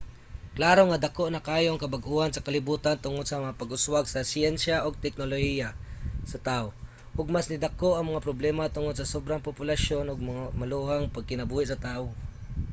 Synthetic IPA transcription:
klaːɾoŋad̪ɐkoʔnɐkaːjoŋkɐbaɡʔuːhansɐkɐlɪbuːt̪ant̪ʊŋod̪̚sɐmɐŋapɐɡʊswaɡsɐsjɛnsjaʔoɡ̚t̪ɛk̚nolohijasɐt̪ao | ʔoɡ̚masnɪd̪akoʔɐŋmɐŋapɾoblɛmat̪ʊŋod̪̚sɐsobɾaŋpopʊlaʃjonʊɡ̚mɐŋamɐluhaŋpɐɡ̚kɪnɐbuːhɪʔsɐt̪aʔo

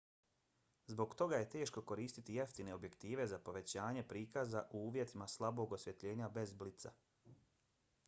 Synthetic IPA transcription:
zbo̞ɡt̪o̞ɡaje̞t̪e̞ːʃko̞ko̞ɾiːst̪it̪ije̞ft̪ine̞o̞bje̞kt̪iːʋe̞zapo̞ʋe̞t͡ɕaːɲe̞pɾiːkazaʔuuːʋje̞t̪imaslˠabo̞ɡosʋje̞t̪ʎe̞ːɲabe̞zblit̪sa̰

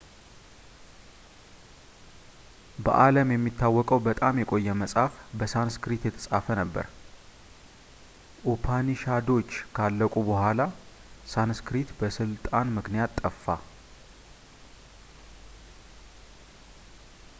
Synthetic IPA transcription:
bə̰ʔaləmjɛmːit̪ʰːawːɔkʼəwbət̪ʼamjɛkʼo̞jːɛməsʼafbəsanskɾit̪jɛt̪ʰə̥sʼafənəbːə̰ɾ | ʔupʰaniʃad̪o̞t͡ʃːkʰalːəkʼubəhʷala | sanskɾit̪bəsɨlt̪ʼanmɨknijat̪ʼːəfːa̰

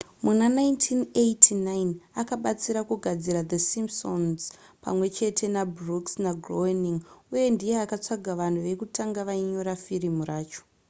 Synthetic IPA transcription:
munanaintʰinejtʰinajinakaɓat͡siɾakuɡʱad͡ziɾad̪esimpsonz | pa̰mwe̞t͡ʃe̞tʰe̞nabruksnaɡʱroeniŋuje̞ndije̞akat͡saɡʱaʋan̤uʋe̞kutaŋɡaʋaiɲo̞ɾafiɾimuraːt͡ʃo̥

